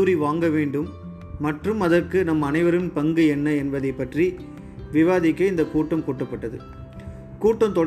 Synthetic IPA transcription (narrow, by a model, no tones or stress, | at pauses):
uːɾiʋaːŋɡɐʋeːɳɖɯmː | ɐʈrɯmɐðɐrkɯnɐmːɐɐnɐɪʋɐɾɯnpɐŋɡɯɛnːɐɛnbɐðɐɪpːɐʈri | ʋɪʋaːðɪkːɐɪnd̪ɐkuːʈːɐmkuːʈːɐpːɐʈːɐðɯ̰ | kuːʈːɐmt̪ɔɽ